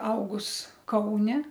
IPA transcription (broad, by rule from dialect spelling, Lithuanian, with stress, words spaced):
ˈɐʊɡʊs ˈkɐʊnʲɛ